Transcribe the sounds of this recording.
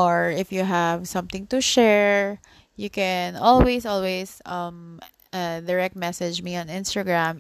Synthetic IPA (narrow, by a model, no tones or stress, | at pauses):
ɔɹɪfjuɦævsʌ̃mt̪ɪ̃ŋt̪ʊʃɛɹ | jukɛnɔlwesɔlwesʌm | ʔad̪ɛɹɛk̚t̪̚mɛsɛd͡ʒmiɔ̃nɪ̃nst̪aɡɹãm